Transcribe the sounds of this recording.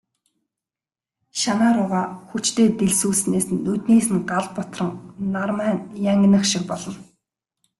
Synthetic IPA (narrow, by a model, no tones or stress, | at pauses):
ʃanaːɾʊʁaːxut͡ɕt̪eːt̪eɮsuːɮsneːsnːɵt̪neːsɘ̆nɢaɮpɔt̪rə̆ŋnarmæːnjaŋɡ̆ʲnə̆χʃɪ̆k̚pɔɮɞ̆n